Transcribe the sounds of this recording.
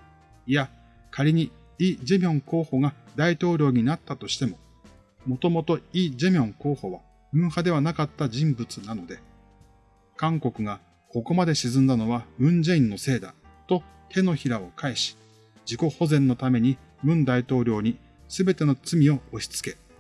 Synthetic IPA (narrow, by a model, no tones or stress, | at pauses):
ija | kʰaɾʲiɲ̟i | iːd͡ʑe̞mʲõ̞ŋko̞ːho̞ɡad̪ait̪o̞ːɾʲo̞ːɲ̟inat̪ːat̪o̞ɕi̥t̪e̞mo̞ | mo̞t̪o̞mo̞t̪o̞iːd͡ʑe̞mʲõ̞ŋko̞ːho̞βa | bɯ̟̃ɰ̃had̪e̞βanakat̪ːaʑĩmbɯ̟t͡sɨnano̞d̪e̞ | kãŋko̞kɯ̟ɡa | ko̞ko̞mad̪e̞ɕizɨ̃nd̪ano̞βabɯ̟̃ɲ̟d͡ʑeĩnːo̞se̞ːd̪a̰t̪o̞ | t̪ʰe̞no̞çiɾao̞kaeɕi̥ | d͡ʑiko̞ho̞zẽ̞nːo̞t̪ame̞ɲ̟i | bɯ̟̃nd̪ait̪o̞ːɾʲo̞ːɲ̟i | sɨbe̞t̪e̞no̞t͡sɨmʲio̞oɕi̥t͡sɨ̥ke̞